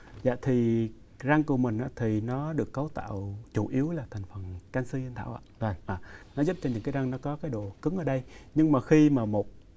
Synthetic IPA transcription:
za̰ː˧˨t̪ʰi˨˩ | za˧ŋku˧˩mï˨˩ŋ̟ʔaː˧˥t̪ʰi˨˩nɔ˨˦ɗɨ˨˩əkːə˨˦wt̪a̰ː˧˨wt͡ɕu˧˩ʔi˨˦əwlaː˨˩t̪ʰa˨˩jŋ̟fə˨˩nkaː˧nsɨ˧i˧nt̪ʰaː˧˨wʔa̰ː˧˨və˨˩ʔaː˨˩nɔ˨˦zu˦˥p̚t͡ɕɔ˧ɲɨ̰˧˥ŋkaː˨˦za˧ŋnɔ˨˦kɔ˨˦kaː˨˦jɗo˧˨˩kɨ˨˦ŋʔəː˧˩ɗə˧jɲɨ˧ŋmaː˨˩xi˧maː˨˩mo˨˩t̚

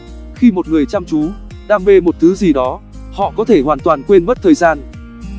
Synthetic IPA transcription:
xi˧mo˨˩t̚ŋɨ˨˩əjt͡ɕa˧wŋ͡mt͡ɕu˨˦ | ɗaː˧ŋɓe˧mo˨˩t̚t̪ʰɨ˨˦zi˨˩ɗɔ˨˦ | hɔ̰˧˨kɔ˨˦t̪ʰe˧˩hwaː˨˩nt̪waː˨˩nkwe˧nɓə˦˥t̚t̪ʰəː˨˩jzaː˧n

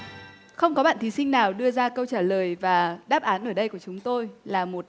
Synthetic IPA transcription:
xə˧wŋ͡mkɔ˨˦ɓa̰ː˧˨nt̪i˨˦sï˧ŋ̟naː˨˩wɗɨ˧əzaː˧kə˧wt͡ɕaː˧˩ləː˨˩jvaː˨˩ɗaː˦˥p̚ʔaː˨˦nʔəː˧˩ɗə˧jku˧˩ət͡ɕʊ˨˦ŋ͡mt̪o˧jlaː˨˩mo˨˩t̚

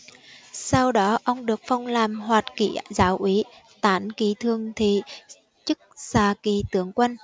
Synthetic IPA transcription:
sa˧wɗɔ˨˦ʔə˧wŋ͡mɗɨ˨˩ək̚fa˧wŋ͡mlaː˨˩mhwaː˨˩t̚kḭ˧˩zaː˨˦wʔi˨˦t̪aː˨˦nki˨˦t̪ʰɨ˨˩əŋt̪ʰḭ˨ | t͡ɕɨ˦˥k̚saː˧˩ki˨˩t̪ɨ˨˦əŋkwə˧n

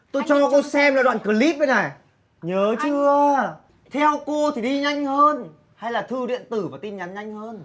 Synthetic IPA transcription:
t̪o˧jt͡ɕɔ˧a˨˩ko˧sɛ˧mlaː˨˩ɗwa̰ː˧˨nkɨː˨˩li˦˥p̚ɓə˨˦jna˨˩j | ɲəː˨˦t͡ɕɨ˧ə | t̪ʰɛ˧wko˧t̪ʰi˨˩ɗi˧ɲa˧jŋ̟həː˧n | ha˧jlaː˨˩t̪ʰɨ˧ɗḭ˧˨ənt̪ɨ˨˧˩vaː˨˩t̪i˧nɲa˨˦nɲa˧jŋ̟həː˧n

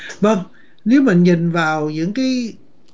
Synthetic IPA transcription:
və˧ŋ | ne˨˦wmï˨˩ŋɲï˨˩nvaː˨˩wzɨ̰˧˥ŋkaː˨˦j

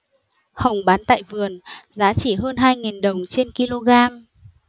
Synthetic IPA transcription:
hə˨˩wŋ͡mɓaː˨˦nt̪a̰ː˧˨jvɨ˨˩ənzaː˨˦t͡ɕi˧˩ɦəː˧nɦaː˧jŋi˨˩nɗə˨˩wŋ͡mt͡ɕe˧nki˧lo˧ɣaː˧m

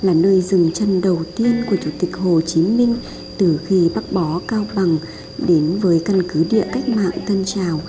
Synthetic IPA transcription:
laː˨˩nəː˧jzɨ˨˩ŋt͡ɕə˧˩nɗə˨˩wt̪i˧ənku˧˩ət͡ɕu˧˩t̪ï˨˩k̟̚ho˨˩t͡ɕi˨˦mï˧ŋ̟ | t̪ɨ˨˩xi˧ɓa˦˥k̚ɓɔ˨˦kaː˧wɓa˨˩ŋ | ɗe˨˦nvəː˨˦jka˧nkɨ˨˦ɗḭ˧˨əka˦˥jk̟̚ma̰ː˧˨ŋt̪ʰə˧nt͡ɕaː˨˩w

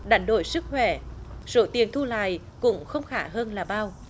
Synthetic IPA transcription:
ɗa˨˩jŋɗo˧˩jsɨ˦˥k̚hwɛ˧˩so˧˦t̪i˨˩ənt̪ʰu˧la̰ː˧˨j | kʊ̰˧˥ŋ͡mxə˧wŋ͡mxaː˧˩ɦəː˧nlaː˨˩ɓaː˧w

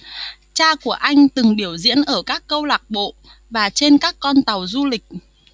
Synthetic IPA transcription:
t͡ɕaː˧ku˧˩əʔa˧jŋ̟t̪ɨ˨˩ŋɓi˧˩əwzḭ˧˥ənʔəː˧˩kaː˦˥kːə˧wlaː˨˩k̚ɓo̰˧˨ | vaː˨˩t͡ɕe˧nkaː˦˥kːɔ˧nt̪a˨˩wzu˧lï˨˩k̟̚

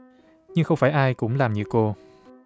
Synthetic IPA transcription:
ɲɨ˧ŋxə˧wŋ͡mfaː˧˩jʔaː˧jkʊ̰˧˥ŋ͡mlaː˨˩mɲɨ̰˧˥ko˧

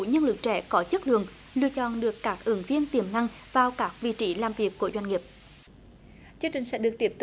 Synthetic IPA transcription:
ṵ˧˩ɲə˧nlɨ̰˨˧˩k̚t͡ɕɛ̰˧˩kɔ˨˦t͡ɕə˦˥t̚ɗɨ̰˨˩əŋ | lɨ̰˧˨ət͡ɕɔ̰˧˨nɗɨ˨˩əkːaː˦˥k̚ʔɨ˨˦ŋvi˧ənt̪i˧˩əmna˧ŋ | vaː˨˩wkaː˦˥k̚vḭ˧˨t͡ɕi˧˦laː˨˩mvi˨˩ək̚ːu˧˩əzwa˧jŋŋi˨˩p̚ | t͡ɕɨ˧əŋt͡ɕï˨˩ŋ̟sɛ̰˧˥ɗɨ˨˩ək̚t̪i˦˥əp̚t̪

